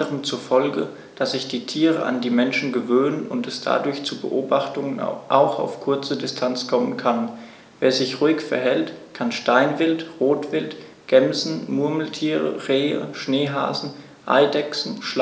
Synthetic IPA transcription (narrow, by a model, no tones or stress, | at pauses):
əʁəmt͡suɐfɔlɡə̰ | d̥asz̥ɪçd̥iːtʰiːʁəʔa̰ndiːmɛnʃn̩ɡəvøːnənʊntɛsd̥a̰dʊɐçt͡suːbə̰ʔoːbaχtʊŋənʔa̰ʊxa̰ʊfkʰʊɐt͡sədɪstʰant͡skʰɔmənkʰan | veːɐzɪçʁuːɪkfɛɐɦɛltkʰanʃtaɪnvɪltʁoːtv̥ɪlt | ɡ̥ɛmzn̩mʊɐml̩tʰiːʁə̰ʁeːə̰ʃneːɦa̰ːzn̩ | ʔa̰ɪdɛksn̩ʃl